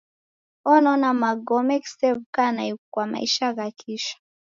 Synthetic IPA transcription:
ɔnɔnamaɡɔmɛki̥sɛvkanaikwama̰iʃaɣakʰiʃḁ

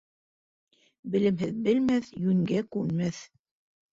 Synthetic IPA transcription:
bɘ̆lɘ̆mɦɘðbɘ̆lmæθjʉŋɡækʉnmæθ

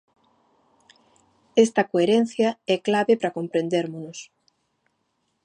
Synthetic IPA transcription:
est̪ɐkoeɾen̟θjɐɛklaβepɾakompɾẽnd̪eɾmonʊs

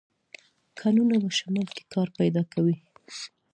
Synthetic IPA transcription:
kʰɑnunabaʃamɑlke̥kʰɑɾpajd̪ɑkawi

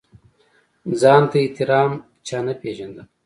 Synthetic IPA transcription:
zɑːnt̪ait̪iɾɑːm | t͡ʃʰɑːnapeʒɐnd̪ɐ

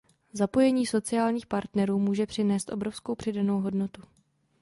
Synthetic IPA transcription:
zapo̞jɛɲiːso̞t͡sɪaːlɲiːxpaɾt̪nɛɾuːmuːʒɛpr̥ɪnɛːst̪ʔo̞bɾo̞fsko̞wpr̝̥ɪdano̞wɦo̞dno̞t̪u

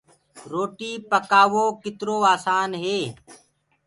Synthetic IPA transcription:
ɾoːʈiːpəkaːʋoːkɪt̪ɾoːaːsaːnɦeː

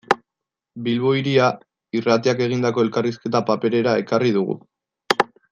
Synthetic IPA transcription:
bilβoiɾia | irat̪iake̞ɣ̞ind̪ako̞e̞lkariske̞t̪apape̞ɾe̞ɾae̞karið̞uɣṵ

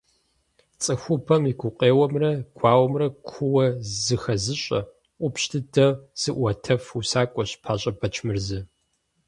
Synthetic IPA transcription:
t͡sʼɨxʷʊpʰɐmiɡʷʊqʼeːwɐmrɐɡʷʰaːwɐmrɐkʷʰʊwɐzɨxɐzɨɕʼɐ̰ | ʔʷʊpɕtʰɨdʰɐz̥ɨʔʷɐtʰɐfusaːkʷʼɔɕpʰaːɕʼɐbɐt͡ʃʰmɨrzɨ

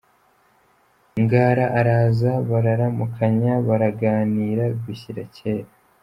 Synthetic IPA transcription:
ŋɡaːɾaʔaɾaːzaβaɾaɾamukʰaɲaβaɾaɡaːniːɾaɡwiçiɾaceːɾa

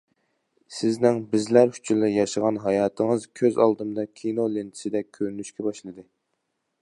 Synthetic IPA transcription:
sɪznɪŋbɪzlæɾhyt͡ʃʰylːɪjɑʃəʁɑnɦɑjɑːt̪ʰɨŋɨzkʲʰøzɑ̰lˠd̪ɨmd̪ɑkʲʰinolɪnt̪ʰɪ̥sɪd̪ɛøɾnyʃkʲʰɛbɑʃlˠɨd̪ɨ

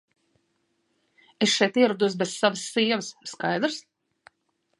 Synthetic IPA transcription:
esʃɛjt̪iɛɾud̪us̬bessavəsːiːɛvəsːkajd̪ɾs

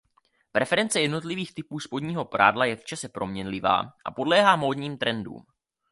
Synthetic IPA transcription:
pɾɛfɛɾɛnt͡sɛjɛdno̞t̪lɪviːxt̪ɪpuːspo̞dɲiːɦo̞pɾʔaːdlajɛft͡ʃasɛpɾo̞mɲɛnlɪva̰ːʔa̰po̞dlɛːɦaːmo̞ːdɲiːmt̪ɾɛndṵːm

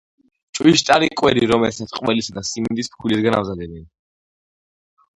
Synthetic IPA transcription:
t͡ʃʼwiʃt̪ʼaɾikʼwɛɾiɾɔmɛlsat̪qʼwɛlisad̪asimind̪ispkʰulisɡana̰vzad̪ɛbɛn

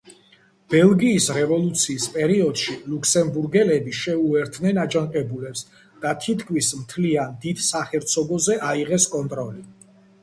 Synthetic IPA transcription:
b̥ɛlˠɡiːsɾɛvɔlˠut̪sʰiːspʼɛɾiɔd̪̥ʃilukʰsɛmbuɾɡɛlɛbiʃɛuɛɾt̪ʰnɛnad͡ʒaŋqʼɛbulɛps | d̪̥at̪ʰit̪ʰkʰwismt̪ʰliand̪id̪̥saχɛɾt̪sʰɔɡɔzɛʔaiʁɛskʼɔnt̪ʼɾɔli

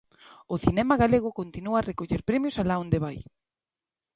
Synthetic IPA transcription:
ʊθinɛmaɣaleɣ̞ʊkont̪inuarekoʎeɾpɾemjosalaond̪eβaj

